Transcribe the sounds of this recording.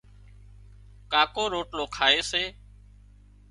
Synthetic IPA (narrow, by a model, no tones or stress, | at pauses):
kaːkoːɾoːʈloːkʰaːeːseː